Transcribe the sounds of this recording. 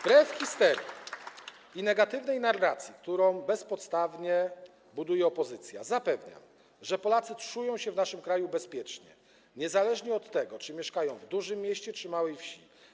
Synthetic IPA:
pɾɛfxʲist̪ɛɾjḭ | inɛɡat̪ɘvnɛjnarːat̪sʲjik̚t̪uɾɔ̃w̃bɛspɔt̪st̪avɲɛ | bud̪ujɛɔpɔzɘt̪sʲja̰zapɛvɲa̰m | ʐɛpɔlat̪sɘtʂujɔ̃w̃ɕɛvnaʂɘmkɾajubɛspʲjɛt͡ʂɲɛ̰ | ɲɛzalɛʐɲɛɔt̪ːɛɡɔt͡ʂɘmʲjɛʂkajɔ̃w̃vd̪uʐɘmʲːjɛɕt͡ɕɛt͡ʂɘmawɛjfɕi

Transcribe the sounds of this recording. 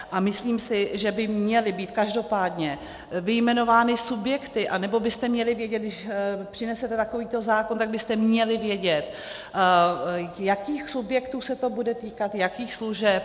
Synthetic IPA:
ʔamɪsliːmsɪʒɛbɪmɲɛlɪbiːt̪kaʒdo̞paːdɲɛ | vɪjmɛno̞vaːnɪsubjɛkt̪ɪʔanɛbo̞bɪst̪ɛmɲɛlɪvjɛɟɛt̪̚dɪʃpr̥ɪnɛsɛt̪ɛt̪ako̞viːt̪o̞zaːkont̪aɡbɪst̪ɛmɲɛlɪvjɛɟɛt̪ | jakiːxsubjɛkt̪uːsɛt̪o̞budɛt̪iːkat̪jakiːxsluʒɛp̚

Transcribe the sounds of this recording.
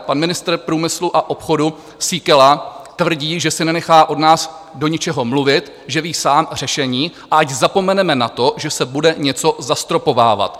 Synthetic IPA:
panmɪnɪst̪r̩pɾuːmɪsluʔaʔo̞pxo̞du | sikɛlat̪vr̩ɟiːʒɛsɪnɛnɛxaːʔo̞dnaːs | do̞ɲɪt͡ʃɛɦo̞mluvɪt̪ | ʒɛviːsaːmr̝̥ɛʃɛɲiːʔaʔaczapo̞mɛnɛmɛnat̪o̞ʒɛsɛbudɛɲɛt͡so̞zast̪ɾo̞po̞va̰ːva̰t̪

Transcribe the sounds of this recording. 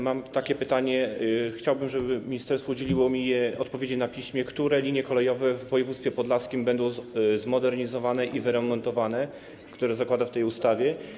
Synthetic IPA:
mamt̪akʲɛpɘt̪aɲɛxt͡ɕawbɘmʐɛbɘmʲiɲist̪ɛɾst̪fɔud͡ʑelʲiwɔmʲijɛɔt̪̚pɔvʲjed͡ʑenapʲiɕmʲjɛkt̪uɾɛlʲiɲjɛkɔlɛjɔvɛvːɔjɛvut̪fʲɛpɔd̪laskʲimbɛnd̪ɔ̃w̃zmɔd̪ɛɾɲizɔvanɛʔivɘɾɛmːɔnt̪ɔvanɛ | kt̪uɾɛzakwad̪aft̪ɛjust̪avʲjɛ

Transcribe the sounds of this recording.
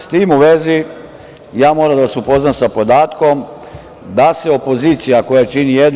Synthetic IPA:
st̪iːmuʋezi | jaːmo̞ːɾamd̪aʋasupo̞znamsapo̞d̪aːt̪ko̞m | d̪ase̞o̞po̞ziːt̪sijako̞jat͡ʃinijed̪n

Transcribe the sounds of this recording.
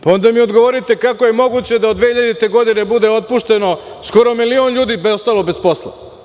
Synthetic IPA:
pao̞nd̪amiod̪ɡoʋoɾit̪ekako̞je̞mo̞ɡut͡ɕed̪aod̪ʋehiʎad̪et̪e̞ɡod̪inebud̪e̞o̞t̪̚puʃt̪e̞no̞ | sko̞ɾo̞milio̞nʎuːd̪ibeost̪aːlˠobe̞spo̞slˠa̰

